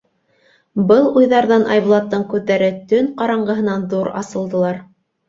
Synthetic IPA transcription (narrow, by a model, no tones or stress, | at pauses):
bɤlˠujðɑɾðɑnʔɑjβlˠɑt̪ːɤɴkʉðːæɾɘt̪ɵŋqɑɾɑɴɢɤ̆ɦɤ̆nɑnðuɾɑ̰sɤ̆lˠd̪ɤ̆lˠɑɾ